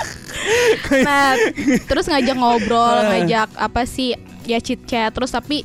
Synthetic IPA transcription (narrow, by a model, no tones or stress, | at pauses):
nat̪əɾʊsŋad͡ʒak̚ŋabɾɔlŋad͡ʒak̚apasɪh | jat͡ʃit̪̚t͡ʃɛt̪ːəɾʊst̪api